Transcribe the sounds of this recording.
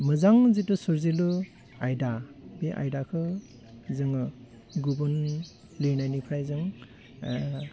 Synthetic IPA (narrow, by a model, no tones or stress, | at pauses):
mɯzaŋzitusuɾzilu | ajdabeʔa̰jdakʰɯ | zɯŋɯ | ɡubɯn | lenajnipʰɾajzɯŋ